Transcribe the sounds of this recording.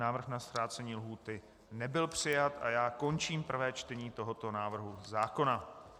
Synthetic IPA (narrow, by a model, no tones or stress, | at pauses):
aːvr̩xnast̪ɾaːt͡sɛɲiːlɦuːt̪ɪ | nɛbɪlpr̝̥ɪjat̪ʔa̰jaːko̞nt͡ʃiːmpr̩vɛːt͡ʃt̪ɛɲiːt̪o̞ɦo̞t̪o̞naːvr̩ɦuzaːko̞na